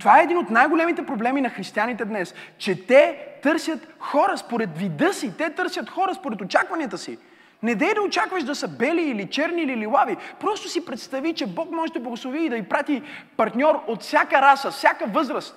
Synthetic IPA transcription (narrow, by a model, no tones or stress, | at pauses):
t̪ovaɛɛd̪inot̪najɡolɛmit̪ɛpɾoblɛminɐxɾist̪ianit̪ɛd̪nɛst͡ʃɛt̪ɛt̪ɤɾsʲjɐt̪xɔɾəspoɾɛt̪vid̪ɤsit̪ɛt̪ɤɾsʲjɐt̪xɔɾəspoɾɛt̪ot͡ʃakvɐnʲiət̪əsḭ | nɛd̪ɛjd̪ɐot͡ʃakvɐʃd̪ɐsəbɛliːlit͡ʃɛɾniːlililˠavipɾɔst̪osipɾɛt̪st̪ɐvit͡ʃɛbɔkmɔʒɛd̪ɐblˠɐɡʊslˠoviːd̪ɐipɾat̪ipɐɾt̪nʲɔɾot̪fsʲjakəɾasəfsʲjakəvɤzɾəst̪̚